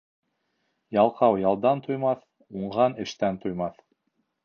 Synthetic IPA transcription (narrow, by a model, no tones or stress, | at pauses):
jɑlˠqɑwjɑlˠd̪ɑnt̪ujmɑθ | uɴʁɑnɘ̆ʃt̪ænt̪ujmɑθ